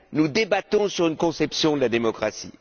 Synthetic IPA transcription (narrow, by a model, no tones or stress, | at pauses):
nud̪ebat̪ɔ̃syʁynkɔ̃sɛpsjɔ̃d̪əlad̪emɔkχasḭ